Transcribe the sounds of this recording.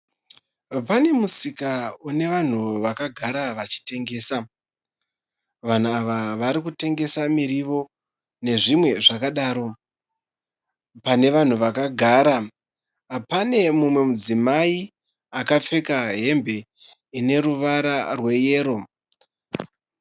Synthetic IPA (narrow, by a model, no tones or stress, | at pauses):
pane̞musikaune̞ʋan̤uʋakaɡʱaɾaʋat͡ʃi̥te̞ŋɡe̞ːsa | ʋan̤uaʋaʋaɾikute̞ŋɡe̞samiɾiʋo̞ | ne̞ʐimwe̞ʐakaɗaːɾo̞ | pane̞ʋan̤uʋakaɡʱaːɾa | pane̞mumwe̞mud͡zimai | akap͡fe̞kaɦe̞mbe̞ | ine̞ruʋaɾarwe̞jeːɾo̞